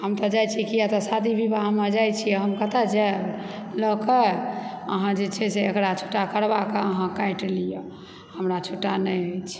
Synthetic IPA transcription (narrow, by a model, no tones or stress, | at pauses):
həmt̪ɔd͡ʒajt͡ʃʰikijat̪ɔsad̪ibʱibaɦməd͡ʒajt͡ʃʰijɛɦəmkət̪ad͡ʒɛ | ləkə | ə̰ɦãd͡ʒet͡ʃʰɛseekɾat͡ʃʰo̥ʈːakəɾbakeəɦãkajʈlije | həmɾat͡ʃʰoʈːanəjəjt͡ʃʰ